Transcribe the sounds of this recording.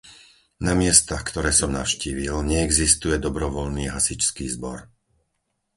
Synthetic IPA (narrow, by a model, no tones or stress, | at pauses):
namɪɛst̪axkt̪ɔɾɛːsɔmnaʊʃciːʋilɲɛːɡzist̪ujɛd̪ɔbɾɔʋɔlniːɦasit͡ʃskiːzbɔɾ